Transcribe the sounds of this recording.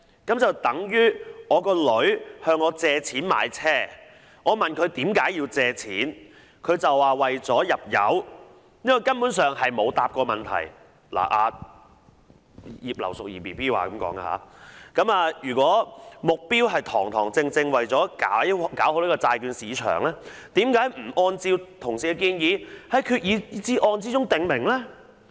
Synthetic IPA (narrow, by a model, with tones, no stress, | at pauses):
kɐ˨˥mt͡sɐ˨wt̪ɐ˨˥ŋjyː˥ŋɔː˨˧kɔː˧lɵ˨˥ɥhœː˧ŋɔː˨˧t͡sɛː˧t͡sʰiː˨˥nma̰ː˨jt͡sʰɛː˥˩ | ŋʔɔː˨˧mɐ˨˩nkʰɵ˨˧ɥt̪iː˨˥mkaː˨˥jiː˧wt͡sɛː˧t͡sʰiː˨˥n | kʰɵ˨˧ɥt͡sɐ˨wːaː˨wɐ˨jt͡sɔː˨˥jɐ˨p̚jɐ̰˨˥w | niː˥kɔ˨˧kɐ˥npuː˨˥nsœː˨ŋɦɐ˨jmo˨˧wt̪aː˨p̚kɔː˧mɐ˨nt̪ʰɐ̰˨˩j | la̰ː˨˩ʔaː˨˧ | jiː˨p̚lɐ˨˩wsʊ˨k̚jiː˨˩piː˨˩piː˥waː˨˧kɐ˨˦mkɔ̰ː˨˥ŋɡa̰ː˧ha̰ː˨˦˥kɐ˨˥maː˧jyː˨˩kʷɔː˨˥mʊ˨k̚piː˥wɦɐ˨jt̪ʰɔː˨˩ŋt̪ʰɔː˨˩ŋt͡sɪ˧ŋt͡sɪ˧ŋwɐ˨jt͡sɔː˨˥kaː˨˥jkaː˨˥who˧˥wniː˥kɔː˧t͡saː˧jkyː˧nsiː˨˧t͡ʃʰœ̰ː˨˩ŋlɛː˥t̪iː˨˥mkaː˨˥jm̩˨˩ʔɔː˧nt͡siː˧wt̪ʰʊ˨˩ŋsiː˨˧ɛ˧k̬iː˧njiː˨˧hɐ˨˧jkʰyː˧t̚jiː˨˧˨t͡siː˨˥ʔɔː˧nt͡siː˥t͡sʊ˥ŋt̪ɪ˨ŋmɪ˨˩ŋlɛː˥